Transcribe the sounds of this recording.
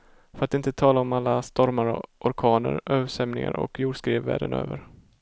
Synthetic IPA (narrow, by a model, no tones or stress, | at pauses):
fœɾat̪ɪnt̪ət̪ʰɑːlaɔmalːast̪ɔɾmaɾʔɔɾkʰɑːnəɾøːvəʂɛmnɪŋa̰ɾɔ̰kjuːɖʂkɾeːvːæ̰ːɖənø̰ːvəɾ